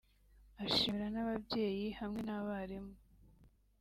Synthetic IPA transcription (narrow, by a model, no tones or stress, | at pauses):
aʃimiɾanaβabɟe̞ːjihamŋe̞naβaɾemo